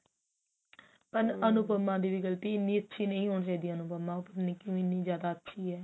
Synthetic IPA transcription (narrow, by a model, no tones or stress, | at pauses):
pəɾənʊpəmːãːd̪iːʋɪɡəlt̪iːɪnːiːətːʃʰiːnəĩːɦoːɳs̬aiːd̪iːənʊpəmãːpəɾnekɪũːɪnːiːzjaːd̪aːətːʃʰiːɦɛː